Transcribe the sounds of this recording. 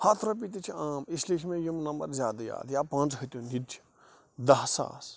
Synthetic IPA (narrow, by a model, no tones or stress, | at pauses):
haːt̪ʰɾɐpit̪it͡ʃʰiaːmisliːkʰʲimẽjimnɐmbɐ̰ɾzʲjaːd̪ɐja̰ːd̪jaːpãːnt͡sɦɐt̪ʲjonid͡ʒʲ | d̪ɐɦsa̰ːs